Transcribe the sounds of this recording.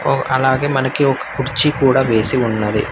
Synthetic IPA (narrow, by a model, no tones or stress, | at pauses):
oʔɐlaːɣemɐnɐkːɪɔkːɐkʊɽɪt͡ʃːikuːɽɐʋeːsiʊnːɐðɯ̰